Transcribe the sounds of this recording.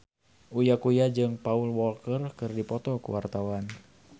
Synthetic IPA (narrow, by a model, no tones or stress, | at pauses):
ujakujad͡ʒɨŋpaulwɔlkərkɨrdipɔt̪ɔkṵwart̪awan